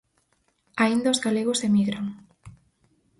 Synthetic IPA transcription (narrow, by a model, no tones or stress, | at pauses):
aind̪aozɣaleɣosemiɣɾaŋ